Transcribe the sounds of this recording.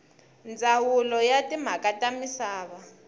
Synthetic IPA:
nd͡zʱawulɔjatʼim̤akʼatʼamisaːβa

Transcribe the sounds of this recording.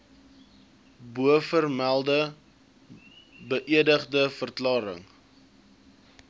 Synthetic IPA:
buəfərmælˠdə | bəʔiədəχdəfərklɑːɾə̰ŋ

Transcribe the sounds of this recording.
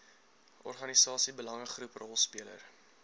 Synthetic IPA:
ɔ̰rχɐnisɑːsibəlɐŋəχruprʔɔlˠspiələ̰r

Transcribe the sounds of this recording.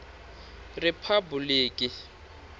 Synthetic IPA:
rɪpʰabuliːkʼɪ

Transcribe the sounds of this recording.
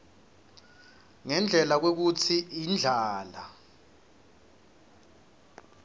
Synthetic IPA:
ŋɛnd͡ɮʱɛlak̬wek̬ut͡sʰiind͡ɮʱaːla

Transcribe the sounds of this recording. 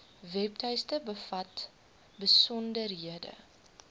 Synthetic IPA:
vɛp̚tɛjstəbəfɐt | bəsɔndərɦiədə̰

